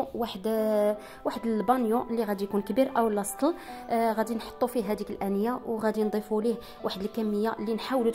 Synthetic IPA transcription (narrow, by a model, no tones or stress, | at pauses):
waħd̪ | waħd̪əlbɑnjuʔəlːiɣæd̪ijkunkbiɾʔəwlːɑst̪ˤlɣæd̪inħo̥t̪ˤːufiɦæd̪ikəlʔænəjːawɣæd̪ind̪ˤifulih | waħəd̪əlkæmːəjːaʔlːinħawlut̪